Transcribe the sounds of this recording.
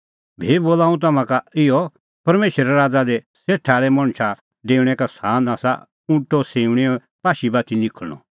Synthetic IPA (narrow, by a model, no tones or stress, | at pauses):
bʱeːboːlaːũt̪̬ɐmãkaɪɔ | pɐɾmeːʃəɾɛɾaːd͡zad̪e | seːʈʰaːɭɛmɐ̃ɽ̃t͡ʃʰa | ɖeːuɽ̃ɛkasaːnaːsa̰ | ʊ̃ʈɔseːuɽ̃ɛɔ | paːʃibat̪ʰinɪkʰəɽ̃ɔ̰